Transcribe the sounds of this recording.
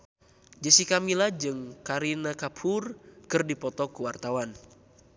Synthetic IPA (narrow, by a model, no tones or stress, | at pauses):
d͡ʒəsikamilad͡ʒɨŋkaɾinakapʰʊrkərdipɔt̪ɔkuwart̪awan